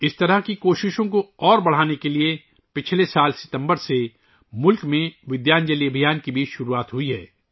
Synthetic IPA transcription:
ɪst̪ɐɾəɦkikoːʃɪʃõkoɔːɾbɐɽ̤aːnekelie | pɪt͡ʃʰlesaːlsɪ̥t̪ə̃mbəɾse | mʊlkmẽʋɪd̪jaːnd͡ʒəliɐbʱijaːnkibʱiːt͡ʃʃʊɾuaːt̪ɦuiɦɛ̰ː

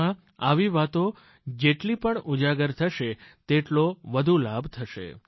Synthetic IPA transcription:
ã | aʋiʋat̪o | d͡ʒeʈlipəɳud͡ʒaɡəɾt̪ʰəʃet̪eʈloʋəd̪ʱulabʱt̪ʰəʃḛ

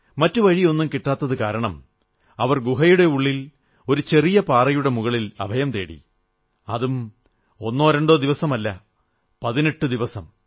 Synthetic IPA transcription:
mɐtːuʋɐɻio̞nːumkiʈːaːt̪ːɐðɨkaːɾɐɳɐm | ɐʋɐrɡuɦɐjuɽe̞uɭːil | o̞ɾut͡ɕe̞rijɐpaːrɐjuɽe̞muɣɐɭilɐ̰bʱɐjɐmt̪e̞ːɽḭ | ɐ̰ðum | o̞nːoːɾɐɳɖoːd̪iʋɐsɐmɐlːɐ | pɐðineʈːud̪iʋɐsɐm

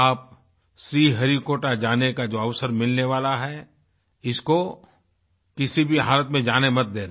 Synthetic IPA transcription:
aːp̚ | ʃɾiːɦɐɾikoːʈad͡ʒaːnekad͡ʒoːɐʋsəɾmɪlneʋaːlaɦɛ | ɪsko | kɪsibʱiɦaːlət̪mẽd͡ʒaːnemɐt̪̚d̪ẽːɾ

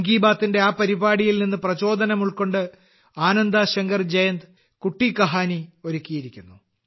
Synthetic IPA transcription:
ŋɡiːbaːt̪ːinde̞aːpɐɾibaːɽijilninːɨprɐt͡ɕo̞ːd̪ɐnɐmuɭko̞ɳɖɨ | aːnɐnd̪aɕɐŋɡɐrd͡ʑɐjɐnd̪ | kuʈːikɐɦaːnio̞ɾukʲːijiɾikʲːunːu

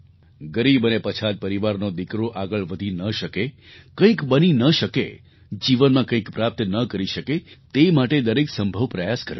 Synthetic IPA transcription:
ɡəɾibənepət͡ʃʰad̪̚pəɾiʋaɾnod̪ikɾoʔaɡəɭʋəd̪ʱinəʃəke | kə̃ĩkbəninəʃəkḛ | d͡ʒiʋənmãkə̃ĩkpɾap̚t̪nəkəɾiʃəket̪emaʈed̪əɾeksəmbʱəʋpɾəjaskə̰ɾjo̰

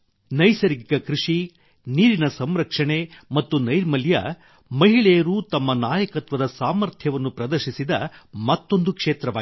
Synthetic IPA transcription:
nɐjsɐɾiɡikɐkɾuʂi | niːɾinɐsɐmɾɐkʂɐɳe̞mɐt̪ːunɐjɾmɐljɐ̰ | mɐɦiɭɛjɐɾuːt̪ɐmːɐnaːjɐkɐt̪ʋɐd̪ɐsaːmɐɾt̪ʰjɐʋɐnːupɾɐd̪ɐɾʃisid̪ɐmɐt̪ːo̞nd̪ukʂeːt̪ɾɐʋaː

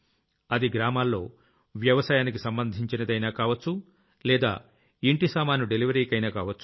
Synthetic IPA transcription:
ɐd̪iɡɾaːmaːlːo̞ː | ʋjɐʋɐsaːjaːnik̬isɐmbɐnd̪ʱiɲt͡ʃinɐd̪ɐjnaːkaːʋɐt͡ʃːu | lɛːd̪a̰ː | iɳʈisaːmaːnuɖeliʋɐɾikɐjnaːkaːʋɐt͡ʃːu

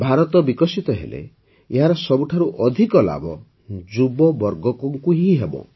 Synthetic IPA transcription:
bʱaɾɔt̪ɔbikɔsit̪ɔɦḛlḛ | eɦaɾɔsɔbuʈʰaɾuʔɔd̪ʱikɔla̰bɔ | d͡ʒubɔbɔɾɡɔkɔŋkuɦiɦebɔ̰

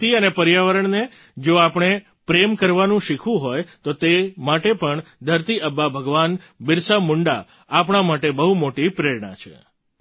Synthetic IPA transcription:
iənepəɾjaʋəɾəɳne | d͡ʒoapɳ̃e | pɾemkəɾʋanũʃikʰʋũɦojt̪ot̪emaʈepəɳd̪ʱəɾt̪iʔəbːabʱəɡʋan | bɪɾsəmʊɳɖa̰ | apɳ̃amaʈebəɦumoʈipɾeɾɳã̰t͡ʃʰḛ

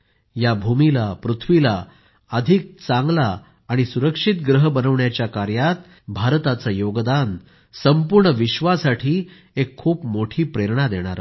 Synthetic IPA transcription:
jabʱumilapɾut̪ʰʋila | əd̪ʱik̚t͡saŋɡlaː | ɽ̃isuɾəkʂit̪̚ɡɾəɦbənəʋɳjat͡ɕjakaɾjat̪ | bʱaɾt̪at͡sajoɡd̪an | səmpuɾɳəʋiɕʋasaʈʰiː | ekʰːuːpmoʈʰiːpɾeɾɳad̪eɽ̃aɾa

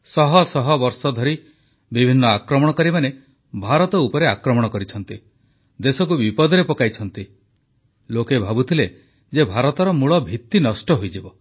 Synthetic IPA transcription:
sɔɦɔsɔɦɔbɔɾsɔd̪ʱɔɾi | bibʱinːɔakɾɔmɔɽ̃ɔkɔɾimane | bʱaɾɔt̪ɔupɔɾeakɾɔmɔɽ̃ɔkɔɾit͡ʃʰɔnt̪i | d̪esɔk̬ubipɔd̪ɔɾepɔkajt͡ʃʰɔnt̪i | lokebʱabut̪ʰile | d͡ʒebʱaɾɔt̪ɔɾɔmuɭɔbʱit̪ːinɔsʈɔɦojd͡ʒibɔ

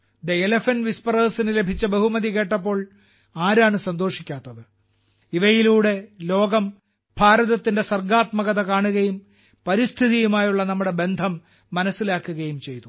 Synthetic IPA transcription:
d̪eelɐfɐnʋispɐrɐːsinɨle̞bʱit͡ɕːɐbɐɦumɐðike̞ːʈːɐpːo̞ːɭ | aːɾaːɳɨsɐnd̪o̞ːʂikʲːaːt̪ːɐðɨ | iʋɐjiluːɽe̞lo̞ːɡɐm | bʱaːɾɐðɐt̪ːinde̞sɐrɡaːt̪mɐɣɐðɐkaːɳuɣɐjum | pɐɾist̪ʰiðijumaːjuɭːɐnɐmːuɽe̞be̞nd̪ʱɐmː | ɐnɐsːilaːkːuɣɐjumt͡ɕe̞jt̪u

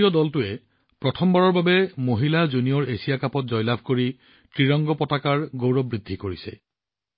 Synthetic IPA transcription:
ɔdɔltʊɛ | pɹɔtʰɔmbaɹɔɹbabɛmoɦilazunijɔɹesijakapɔt̚zɔjlabʱkoɹi | tɹiɹɔŋɡɔpɔtakaɹɡowɹɔbɹidʱːikoɹisɛ̰

